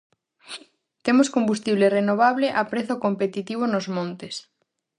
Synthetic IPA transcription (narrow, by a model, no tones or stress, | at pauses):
t̪emoskombust̪iβlerenoβ̞aβleʔapɾeθokompet̪it̪iβ̞onozmõnt̪es